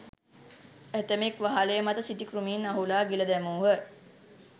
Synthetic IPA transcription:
æt̪əmekʋaɦalejəmat̪əsiʈikrumiːnaɦulaːɡiləd̪æmuːɦə

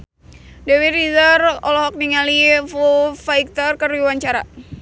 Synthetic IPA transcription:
dɛwiɾizəɾɔ̰lɔhɦɔk̚niŋalifufaik̚t̪ərkəriwaɲt͡ʃaɾa

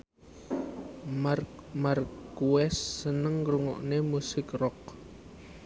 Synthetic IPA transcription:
rmarkuɛsːənəŋɾuŋɔ̰ʔnemusɪkrɔk̚

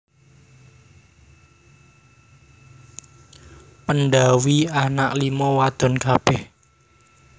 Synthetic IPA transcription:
pənɖawianaʔlimɔwad̪̥ɔ̤nkab̥ɛh

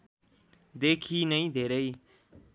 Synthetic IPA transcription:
d̪eːkʰiːnəĩːd̪ʱeːɾəiː

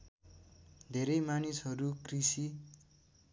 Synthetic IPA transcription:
d̪ʱeɾʌjmanisɦʌɾukrisi

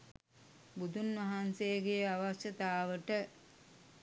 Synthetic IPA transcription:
bud̪ʱunʋɐɦansejːɡejaʋaʃət̪aːʋəʈə

